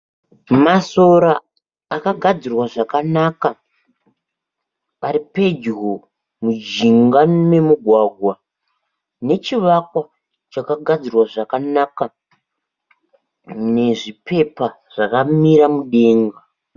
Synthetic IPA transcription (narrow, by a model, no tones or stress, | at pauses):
maso̞ɾaː | akaɡʱad͡zirwaʐakanaka | aɾipe̞d͡ʒɦo | mud͡ʒiŋɡane̞muɡʱwaɡʱwa | ne̞t͡ʃiʋakwa | t͡ʃakaɡʱad͡zirwaʐakanaka | ne̞ʐipe̞pa | ʐ̥akamiɾamuɗe̞ːŋɡa